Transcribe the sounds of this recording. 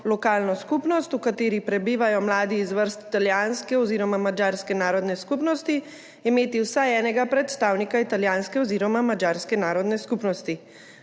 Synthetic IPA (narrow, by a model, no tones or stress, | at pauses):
lɔkaːlnɔskupnɔst̪ukat̪eːɾipɾɛbiːʋajɔmlaːd̪iːzʋəɾst̪i̥t̪aljaːnskɛɔziːɾɔmamad͡ʒaːɾskɛnaːɾɔd̪nɛskupnɔst̪i | imeːt̪iwsajɛːnɛɡapɾɛt̪st̪aːwnikait̪aljaːnskɛɔziːɾɔmamad͡ʒaːɾskɛnaːɾɔd̪nɛskupnɔst̪i